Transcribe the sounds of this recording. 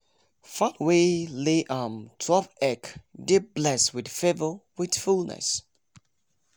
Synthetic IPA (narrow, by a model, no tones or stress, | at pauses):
fatweleʔãmtʰɹɔpɛkdɪd̚blɛswɪdfevəwɪdfulˠnə̰s